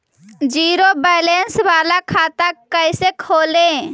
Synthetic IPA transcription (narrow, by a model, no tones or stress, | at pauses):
d͡ʒiːɾobəjlensʋaːlakʰaːt̪akːəjsekʰoːlẽ